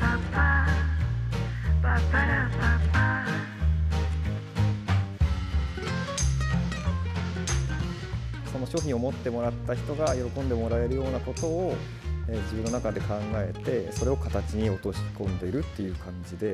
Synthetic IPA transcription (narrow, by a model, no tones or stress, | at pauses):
patːa | bat̪ːaɾapapta | so̞no̞ɕo̞ːçʲĩɰ̃omo̞t̪ːe̞mo̞ɾat̪ːaçi̥t̪o̞ɡajo̞ɾo̞kõ̞nd̪e̞mo̞ɾae̞ɾɯ̟jo̞ːnako̞t̪o̞ː | ed͡ʑibɯ̟nːo̞nakad̪e̞kãŋɡae̞t̪e̞so̞ɾe̞o̞kat̪at͡ɕiɲ̟io̞t̪o̞ɕi̥kõ̞nd̪e̞iɾɯ̟t̪ːe̞jɯ̟ːkʰãɲ̟d͡ʑid̪e̞